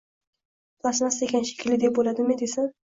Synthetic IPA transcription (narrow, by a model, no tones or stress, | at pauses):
lˠasmasekʲanʃe̥kʲʰlɪd̪ep̚bolad̪ɪmɪd̪esan